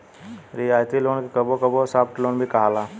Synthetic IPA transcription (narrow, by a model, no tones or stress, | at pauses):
ɾiaːjt̪iloːnkkɐbokɐbosaːpʈloːnbʱikɐɦalaː